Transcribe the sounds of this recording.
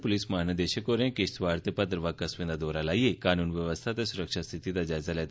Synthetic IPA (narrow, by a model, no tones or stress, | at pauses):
polismaɦnəd̪eɕəkoɾẽkest̪ʋaɾt̪epət̪̬ɾəʋakasʋẽnd̪ad̪oɾalajekanuːnʋjəʋəst̪ʰat̪esuɾəkʂast̪ʰit̪it̪ad͡ʑajd͡zalat̪